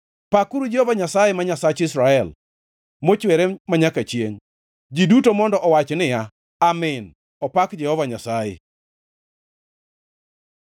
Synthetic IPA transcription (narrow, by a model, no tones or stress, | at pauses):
pakuɾud͡ʒɛhɔvaɲasajɛmaɲasat͡ʃɪsɾaɛl | mot͡ʃwɛɾɛmaɲakat͡ʃjeŋ | d͡ʒidutomɔndɔʔɔwat͡ʃnɪja | amɪn | ɔpakd͡ʒɛhɔvaɲasajḛ